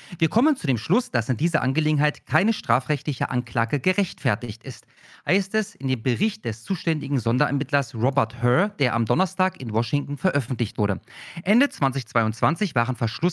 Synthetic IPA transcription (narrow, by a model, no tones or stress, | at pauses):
viːɐkʰɔmənt͡sudeːmʃlʊsd̥asɪndiːzɐʔa̰nɡəleːɡŋ̩ɦaɪtkʰaɪnəʃtʁ̥aːfʁ̥ɛçtlɪçəʔa̰nklaːɡəɡəʁɛçtfɛɐtɪçtɪst | haɪstɛsɪndeːmbəʁɪçt̚d̥ɛst͡suːʃtɛndɪɡŋ̩zɔndɐʔɛ̰ɐmɪtlɐsʁɔbɛɐthœd̥eːɐʔa̰mdɔnɐstaːkɪnvɔʃɪŋtn̩fɛɐʔœfn̩tlɪçtv̥ʊɐɾdəʔɛndət͡sv̥ant͡sɪçt͡sv̥aɪʊntt͡sv̥ant͡sɪçv̥aːʁənfɛɐʃlʊs